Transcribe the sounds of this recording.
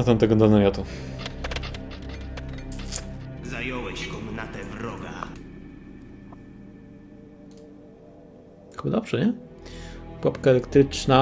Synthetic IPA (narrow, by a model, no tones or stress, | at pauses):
at̪amt̪ɛɡɔd̪anamʲjɔt̪u | zajɔwɛɕkɔmnat̪ɛvɾɔɡa̰ | xɨbad̪ɔbʐ̥ɛɲɛ | kwapkaɛlɛkt̪ɾɘt͡ʂna